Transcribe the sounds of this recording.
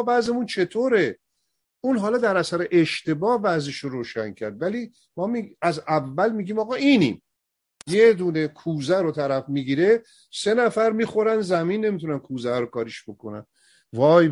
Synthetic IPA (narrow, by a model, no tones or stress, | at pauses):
bæzemunt͡ʃʰe̞t̪ʰoːɾe | uːnɦɒlɒːd̪æɾæsæɾe̞ʔeʃt̪e̞bɒːhbæzeʃoɾoːʃæncʰæɾd̪væliː | mɒːmiæzævːælmiːɡʲiːmɒːɣɒːʔiːnḭm | jed̪une̞kʰuːzæɾot̪ʰæɾæfmiɡiɾe | se̞næfæɾmiːxo̞ɾænd̪zæminːe̞mit̪ʰunænkʰuːzæhæɾokɒːɾiʃb̥o̞kʰo̞næ̰n | vɒːj